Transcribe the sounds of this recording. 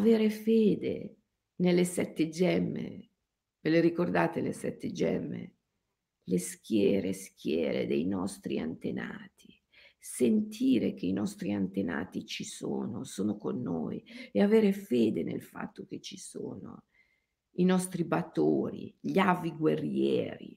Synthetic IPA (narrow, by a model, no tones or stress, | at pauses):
aveːɾefeːd̪ḛ | nelːesɛt̪ːed͡ʒɛmːḛ | veleɾikord̪aːt̪elḛsɛt̪ːed͡ʒɛ̰mːḛ | leskjɛːɾesk̟jɛ̰ːɾḛd̪ejnɔst̪ɾia̰nt̪ena̰ːt̪ʰi̥ | sent̪ʰiːɾekeinɔst̪ɾiant̪ena̰ːt̪it͡ʃisoːnosoːnokonːoːjeaveːɾefeːd̪enḛlfa̰t̪ːok̟et͡ʃːi̥soːno̰ | inɔst̪ɾibat̪oːɾḭʎaviɡwerːjɛ̰ːɾi